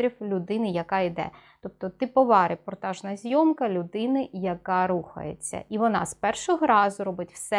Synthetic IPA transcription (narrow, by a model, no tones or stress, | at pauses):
ɾʲiwlʲʊd̪ɪnɪjɐkɑid̪ɛ̰ | t̪ɔp̚t̪ɔt̪ɪpɔʋɑɾɪpɔrt̪ɑʒnɐzʲjɔmkɐlʲʊd̪ɪnɪjɐkɑɾuxɐ̰jḛt͡sʲːɐ̰ʔiʋɔnɑ̰spɛrʃɔɦɔɾɑzʊɾɔbɪtʲwsɛ